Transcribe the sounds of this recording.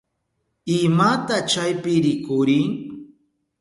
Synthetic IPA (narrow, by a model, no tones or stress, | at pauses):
ɪmat̪at͡ʃajpɪɾɪkʊɾɪŋ